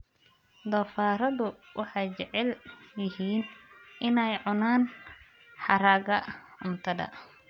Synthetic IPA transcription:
d̪ɔːfaːɾɐðʊwʔɑħɑjt͡ʃɛʕɛljɪɦiːnʔɪnɛjʕʊnaːn | ħɑɾaːɡɐʊnt̪ʰɐðɐ̰

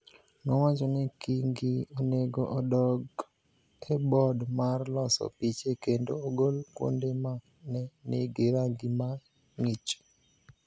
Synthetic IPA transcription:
nɔwat͡ʃɔnɛkiŋɡioneɡoʔɔdɔɡ | ɛbɔdmarlɔsɔ̰pit͡ʃekendooɡolkwo̰ndema | nɛnḛɡeɾaŋɡima | ŋɪt͡ʃ

